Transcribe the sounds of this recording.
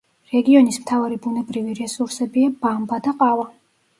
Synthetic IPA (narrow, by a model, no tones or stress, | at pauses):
ɾɛɡiɔnismt̪ʰavaɾibunɛbɾiviɾɛsuɾsɛbiabambad̪aqʼava